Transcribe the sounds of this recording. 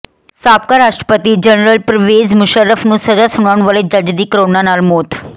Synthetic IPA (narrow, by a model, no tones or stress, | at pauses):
sap̚kaɾaʂʈɾə̥pət̪iːd͡ʑənɾəlpɾəʋed͡zmuɕəɾːəfnũːsəd͡zasuɳaɳ̃ʋəled͡ʑad͡ʑd̪iːkɾoɳanalmot̪ʰ